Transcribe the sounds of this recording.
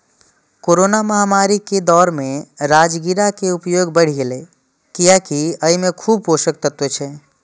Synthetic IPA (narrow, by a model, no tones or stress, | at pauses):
koɾonaməɦamaɾiked̪ɔːɾmẽɾad͡ʒɡiɾakeupjoːɡbəɽ̤iɡele | kijakiəimekʰuːb̚poʃək̚t̪ət̪wet͡ʃʰɛ